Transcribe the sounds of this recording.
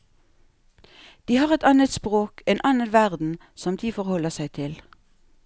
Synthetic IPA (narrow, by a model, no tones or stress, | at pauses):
d̪̥iːhɑːʁɛt̪ɑːnət̪spʁoːkʰeːnʔɑːnənʋæʁd̪n̩ | sɔmd̪iːfɔʁhɔləsæɪt̪ʰɪl